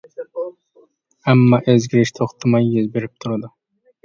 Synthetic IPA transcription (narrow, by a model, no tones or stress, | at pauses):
amːɒʔezɡʲɪɾɪʃt̪ʰoχt̪ʰamajːɪzbeɾɪp̚t̪ʰʊɾad̪ɪ